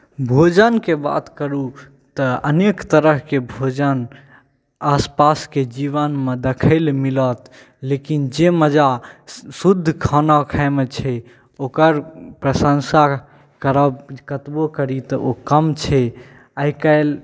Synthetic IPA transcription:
bʱod͡ʒənkeba̰t̪kəɾu | t̪əənekt̪əɾəɦkebʱod͡ʒən | aspasked͡ʒiβənmed̪ekʰəɪlmilət̪ | lekind͡ʒeməd͡ʒasud̪ʱːkʰənakʰaɪmet͡ʃʰɛ | okəɾpɾəsəŋsa | kəɾəkət̪bokəɾit̪ɔʔokəmt͡ʃʰɛ | aikaɪl

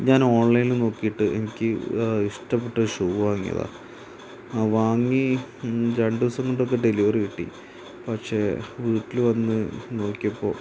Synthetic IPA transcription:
ɲaːnoːɳlɐjninɨno̞ːkːijiʈːɨḛnikʲːɨiʂʈɐpːeʈːɐʂuːʋaːŋːḭjɐ̰ða̰ː | ʋaːŋːi | d͡ʑɐɳɖuɐsɐnːoɳɖokːeɖeliʋɐrɨʋiʈːḭ | pɐkʂe̞ːʋiːʈːilʋɐnːɨno̞ːkːijɐpːo̞̰ː

